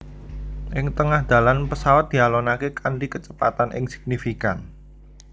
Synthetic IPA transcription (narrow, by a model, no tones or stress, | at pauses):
ʔɪŋt̪əŋahd̪̥a̤lanpəsawat̪̚d̪̥i̤alonakekaɳɖikət͡ʃəpa̰t̪anʔɪ̰ŋsɪ̥k̚nifikan